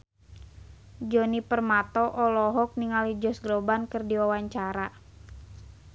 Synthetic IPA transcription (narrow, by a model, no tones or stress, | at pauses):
d͡ʒɔnipərmat̪ɔʔɔlɔɦɔk̚niŋalid͡ʒɔsɡlɔbankərdiwawaɲt͡ʃaɾa